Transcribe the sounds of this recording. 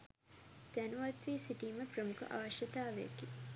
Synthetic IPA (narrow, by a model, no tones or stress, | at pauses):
t̪ænuʋɐt̪ʋiːsiʈiːməprəmukṵʔa̰ʋɐʃjɐt̪aːʋḛki